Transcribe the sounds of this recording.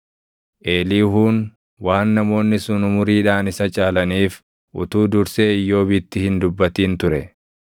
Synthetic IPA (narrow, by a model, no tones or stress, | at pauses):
ʔe̞ːliːɦuːn | waːnːɐmo̞ːnːɪsʊnʊmʊɾiːᶑaːnɪsɐt͡ʃʼaːlɐniːf | ʔʊt̪uːd̪ʊɾseːɪjːo̞ːbɪt̪ːɪhɪnd̪ʊbːɐt̪iːnt̪ʊɾɛ